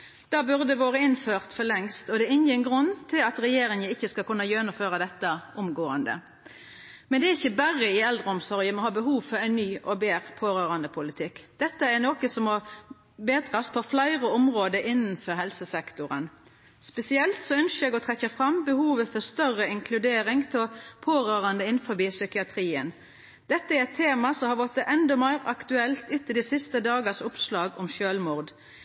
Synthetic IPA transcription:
d̪̥ɑːbʉʁd̪əʋoːʁəɪnføːʁt̪fɔlɛŋst̪ɔd̪ɛɪnjiːnɡʁʉnːt̪ʰɪlɑt̪ɾɛjeːɾɪŋənɪçːəskɑkʰʉnːɑjønʊmføːʁɑd̪ɛt̪ːəʔʊmɡoːənd̪ə̰ | mɛnd̪ɛæɾɪçːəbæʁəɪɛld̪ʁəʊmsɔʁjəmɔhɑːbəɦuːʋfɔɾæɪnːyːʔɔbeːʁpʰoːɾøːʁɑnd̪əpʰʊlɪt̪ʰɪkːd̪̥ɛt̪ːəæɾnoːkəsɔmɔ | beːd̪ʁɑspʰɔflæɪʁəɔmʁoːd̪əʔɪnːənfɔɾhɦɛlsəsɛkt̪ʊʁə̰n | spɛsɪɛlt̪sɔœnʃəɛːɡɔt̪ʰʁɛkːəfʁɑmbəhuːʋəfɔst̪œʁəɪŋkʰlʉd̪eːɾɪŋt̪ʰɛpʰoːʁøːʁɑnd̪əɪn̩fɔbiːsʏkɪɑt̪ʰʁiːən | d̪ɛt̪ːəæɾɛt̪ʰːeːmɑsɔmhɑʋɔt̪əʔɛnd̪ɔmæɪʁɑkt̪ʉɛlt̪ʉt̪ːɪd̪isɪst̪əd̪ɑːɡəsʊpslɑːɡɔmʃøːlmʊʁd̪

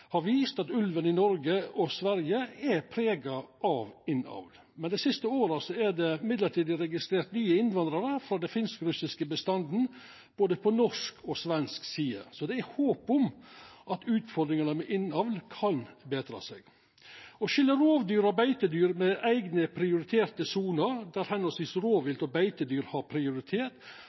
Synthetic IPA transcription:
hɑɾʋiːst̪ɑt̪ʉlʋənɪnɔɾɡəɔsʋæɾjəæpʰɾeːɡɑʔɑʋɪnɑ̰ʋl | mɛnd̪æɪsɪst̪əoːɾɑsɔæɖɛɪmɪd̪ləʈʰiːd̪ɪɾɛɡɪst̪ɾeːɾʈ̪nyːəɪnʋɑnd̪ɾɑɾəfɾɑːd̪ɛnfɪnskɾʉsɪskəbəst̪ɑnd̪n̩ | b̥oːd̪əpʰɔnɔʂkʰɔsʋɛnsksiːɑ̰sɔd̪ɛæɾhoːpʊmʔɑt̪ʉːt̪fɔɾd̪ɾɪŋənəmɛʔɪnɑʋlkʰɑnbeːd̪ɾɑ̰ːsɛ̰ɡ | ɔʃʏlːəɾoːʋd̪yːɾɑbæɪt̪əd̪yːɾmɛʔæɪɡnəpʰɾɪʊɾɪt̪ʰeːɾt̪əsuːnəɾd̪æɾhɛnːɔsɪsɾoːʋɪlt̪ɔbæɪt̪əd̪yːɾhɑɾpʰɾɪʊɾɪt̪ʰeːʈ

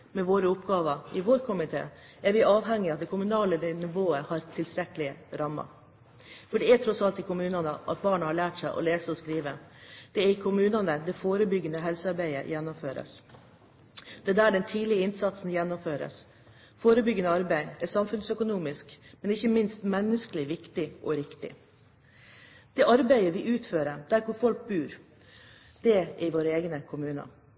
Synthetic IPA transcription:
mɛʋoːɾəʊpɡɑːʋəɪʋoːɾkʰʊmɪt̪ʰḛː | æɾʋɪʔɑːʋɦɛŋːɪɑt̪̚d̪ɛkʰʊmʉnɑːlənɪʋoːəhɑɾt̪ʰɪlst̪ɾɛkəlɪɾɑmːɑ̰ | fɔɖɛæʈ̪ʰɾɔsɑlt̪ɪkʊmʉːnɑnəʔɑ̰t̪̚bɑːɳəhɑɭæːʈsæɪʔɔ̰leːsəɔskɾiːʋəd̪̥ɛæɾɪkʰʊmʉːnɑnəd̪ɛfoːɾəbʏɡənəɦɛlsəɑɾbæɪə̰jɛnːɔmføːɾə̰s | d̪̥ɛd̪æːɖɛnt̪ʰiːlɪəɪnsɑt̪sn̩jɛnːɔmføːɾə̰s | foːɾəbʏɡːənəɑɾbæɪɛsɑmfʉnsœkʊnuːmɪskmɛnɪçːəmɪnst̪mɛnːəskəlɪʋɪkt̪ɪʔɔɾɪkt̪ɪ̰ | d̪̥ɛʔɑɾbæɪəʋɪʔʉːt̪føːɾəd̪̥æɾkʊɾfɔlk̚bʉːɾ | d̪̥ɛɛɾɪʋoːɾəeːɡnəkʰʊmʉːnɑ̰

